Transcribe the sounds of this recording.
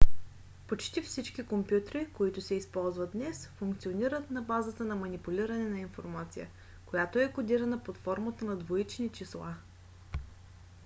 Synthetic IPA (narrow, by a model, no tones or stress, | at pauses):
pot͡ʃt̪ifsit͡ʃkikompjut̪ɾikoit̪ʊsɛispɔlˠzvət̪̚d̪nɛsfʊŋkt̪sioniɾət̪nɐbazət̪ənɐmɐnipulʲiɾɐnɛnɐinfoɾmat̪sijə̰ | kojat̪oɛkod̪iɾɐnəpot̪fɔɾmət̪ənɐd̪voit͡ʃnit͡ʃislˠa